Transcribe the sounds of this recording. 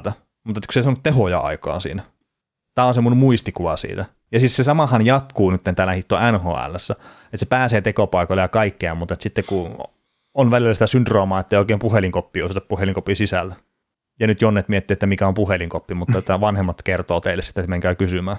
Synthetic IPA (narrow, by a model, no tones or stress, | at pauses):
t̪æ | mut̪et̪ːkuseisemot̪eɦojɑɑ̰ikɑ̰ːsḭːnæ | t̪æːonsemːunemuist̪ikuʋɑsḭːt̪æ | jɑsissesɑmɑhɑnjɑt̪kuːnyt̪ːent̪æːlːæhit̪ːoænho̰ːæ̰lːæsːæ | et̪sepæːseːt̪ekopɑˑikolejɑkɑikːeɑmmut̪ɑet̪sit̪ːekku | onʋælilːæsit̪æsynt̪roːmɑːet̪ːeijoˑikeːmpuheliŋkopːiːosut̪ɑppuheliŋkopisisælt̪æ | jɑnyt̪jonːet̪miet̪ːiet̪ːæmikæompuheliŋkopːimut̪ːɑet̪ːæʋɑnhemːɑt̪kert̪oːt̪eilːesi̥t̪ːæmeŋkæykysymæː